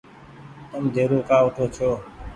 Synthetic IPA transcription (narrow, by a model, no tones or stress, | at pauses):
t̪əmd̪ʱeːɾoːkaːʊʈʰoːt͡ʃʰjoː